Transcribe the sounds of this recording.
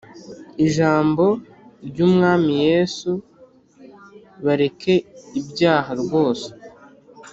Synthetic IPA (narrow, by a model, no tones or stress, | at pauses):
iʒaːmbo̞ | ɾɟuːmŋaːmije̞ːsu | βaɾe̞kʰe̞ibɟaːɦaɾɡo̞ːse̥